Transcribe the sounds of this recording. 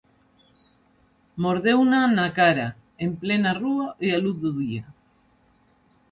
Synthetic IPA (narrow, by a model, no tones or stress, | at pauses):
moɾðewnanakaɾa | emplenaruaʔealuθðuðia